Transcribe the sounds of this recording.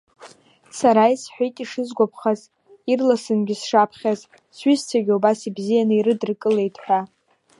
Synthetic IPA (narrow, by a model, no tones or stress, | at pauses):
saɾaisħʷᶣijtʼiʂɨzɡʷapʰχaz | irlasɨnɡʲɪsʂapʰχʲaz | sɥʏzt͡sʰaɡʲiubasibzijanɨiɾɨdɨrkʼɨle̞jtʰʼħʷᶣa